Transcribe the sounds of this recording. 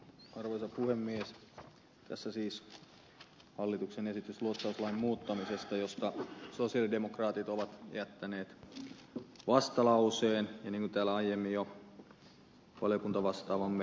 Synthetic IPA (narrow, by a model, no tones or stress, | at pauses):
ɑrʋoisɑpuhemːies | t̪æ̰sːæsiːs | hɑlːit̪uksenesit̪ysluot̪sɑuslɑimmuːt̪ːɑmisest̪ɑjost̪ɑsosiɑlidemokrɑːt̪it̪oʋɑt̪ḛæt̪ːæneːt̪ | ʋɑst̪ɑlɑuseːnjɑniːŋkunt̪æːlæɑijːemːijo | ʋɑ̰ljokunt̪ɑʋɑst̪ɑːʋɑmː